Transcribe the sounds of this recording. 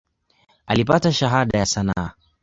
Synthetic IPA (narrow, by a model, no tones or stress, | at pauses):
alipataʃaɦaɗajasanaː